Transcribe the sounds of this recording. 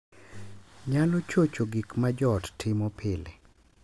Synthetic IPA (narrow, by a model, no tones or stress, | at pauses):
ɲalɔt͡ʃot͡ʃoɡikmad͡ʒɔttʰɪmɔpʰɪle